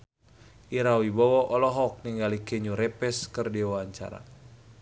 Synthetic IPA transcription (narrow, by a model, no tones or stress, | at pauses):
ʔiɾawibɔwɔʔɔlɔɦɔk̚niŋɡalikeɲuɾɛpɛskərdiwaɲt͡ʃa̰ɾa̰